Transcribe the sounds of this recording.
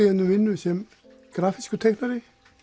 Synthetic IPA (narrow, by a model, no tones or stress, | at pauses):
jɛnːʏmvɪnːʏsɛm | ɡ̥ɾaːfiskʏt̪ʰɛknaɾɪ